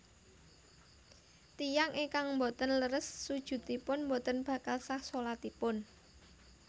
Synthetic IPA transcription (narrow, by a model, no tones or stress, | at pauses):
t̪ijaŋʔekaŋmbot̪ənləɾəsːud̥ʒ̥ṳt̪ipʊnmbot̪ənb̥ä̤kalsahsolat̪ipʊn